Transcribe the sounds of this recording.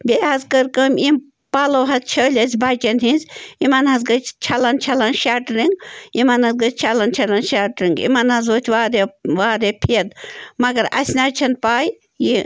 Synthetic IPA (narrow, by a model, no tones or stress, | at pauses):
bʲeːɦɐzkəɾkəmim | paːlɐwɦɐzt͡ʃʰəːlʲɐsʲbaːt͡ʃɐnɦinzʲimanɦɐzɡɐt͡ʃt͡ʃʰɐlɐnt͡ʃʰɐlɐnʃaːʈɾiŋɡimanɦɐzɡət͡ʃt͡ʃʰalɐnt͡ʃʰalɐnʃaːʈɾiŋɡḭmanɦɐzoːt͡ʃʰʋaːɾeʋaːɾepʰid̪mɐɡɐɾɐ̰sʲnaːt͡ʃʰɐnpaːj | ji